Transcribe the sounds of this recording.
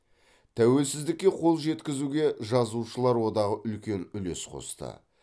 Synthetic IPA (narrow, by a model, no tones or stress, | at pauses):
t̪ʰæwe̞lsɪzd̪ɪk̚ʲːe̞qʰo̞lˠʒe̞t̪kʲɪzuɡʲe̞ʒɑzuʃəlˠɑɾwo̞d̪ɑʁəʔʏlkʲe̞nʏle̞sqʰo̞̰st̪ə̰